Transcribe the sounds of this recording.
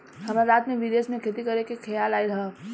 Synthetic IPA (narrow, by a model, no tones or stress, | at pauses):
hɐmaɾaːt̪mẽʋid̪eːsmẽkʰet̪ikɐɾekekʰɐjaːlaːiɾɦ